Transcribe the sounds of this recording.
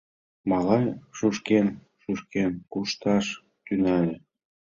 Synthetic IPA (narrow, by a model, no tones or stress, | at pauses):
mɑlɑnʃuʃken | ʃuʃkenkuʃt̪ɑʃ | t̪ynælĕ